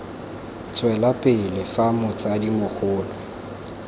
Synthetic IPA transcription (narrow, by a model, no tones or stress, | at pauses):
t͡sʼwɛlapʼɪlɪfamʊt͡sʼadimʊk͡xʰʊːlɔ